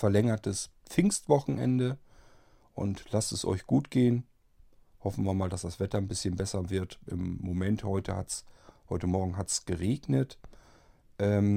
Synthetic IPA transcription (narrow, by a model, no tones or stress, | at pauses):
fɛɐlɛŋɐtʰəsp͡fɪŋstv̥ɔχn̩ʔɛ̰ndə | ʔʊ̰ntlastɛsʔɔ̰ʏçɡ̥uːtɡ̥eːən | hɔfn̩viːɐmaːldasd̥asv̥ɛtɐnbɪsçənbɛsɐvɪɐtʔɪ̰mːomɛnthɔʏtʰəha̰tshɔʏtəmɔɐɡŋ̩ɦatsɡ̥əʁeːɡnət | ʔɛːm